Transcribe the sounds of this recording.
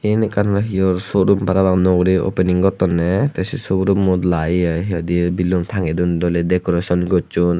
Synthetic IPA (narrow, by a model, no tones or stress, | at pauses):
ɛnɛkanɾaɦijɔɾsɔɾumpaɾabaknɔɡɾiɔ̰pɛniŋɡɔt̪ɔnːɛt̪ɛsisɔbɾumːɔt̪lajaɦiɔd̪ibilɔmt̪ʰaŋɡɛd̪und̪ɔlɛd̪ɛkɔɾasɔnɡɔt͡ʃun